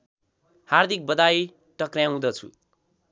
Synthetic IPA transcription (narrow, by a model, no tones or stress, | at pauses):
hard̪ʱik̚bʌd̪aj | ʈʌkrjãw̃d̪ʌt͡sʰṵ